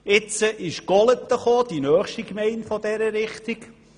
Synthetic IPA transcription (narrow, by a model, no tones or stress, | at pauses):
ɪt͡səʔɪʃɡ̥ɔlət̪ːəχoːd̥inœːχʃtikmɛɪntfɔd̥ɛɾəɾɪχt̪ik